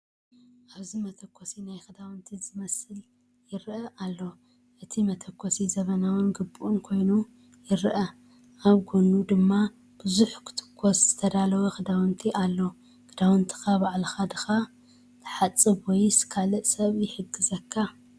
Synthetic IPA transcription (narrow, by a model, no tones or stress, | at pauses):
ʔaβzimɐt̪ʰɐkʰʷːosinajxɨd̪awnt̪ʰizɨmɐsɨl | jɪɾʔɐʔalːo̞ | ʔɨt̪ʰimɐt̪ʰɐkːosizɐβɐnawɨnɡɨbuʔunkʰo̞jnu | jɪɾʔɐ | ʔaβɡonud̪ɨmːa | b̥ɨzuħkʰɨ̥t̪ʰɨ̥kʰːosz̥ɨt̪ʰɐd̪alɐwɐxɨd̪awɨnt̪ʰiʔalːo̞ | kɨd̪awɨnt̪ʰi̥xabaʕlxad̪ɨxa | t̪ʰɨ̥ħat͡sʼːɨbwɔjskʰalɨʔsɐβjɪħɨɡɨzɐkʰːa